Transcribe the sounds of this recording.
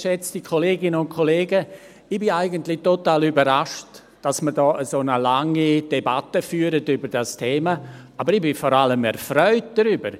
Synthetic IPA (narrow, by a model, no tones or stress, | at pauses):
ʃɛt͡stikʰoleːɡɪnənʊntkʰoleːɡə | ɪbɪaɪɡəntlɪtotaːlybəɾaʃt | d̥asməɾdɔːʔəzonəlaŋid̥ebatəfyːəɾətybəɾd̥astʰeːmaabəɾɪbɪfɔɾaləmɛ̰ɾfɾœʏt̚d̥aɾybəɾ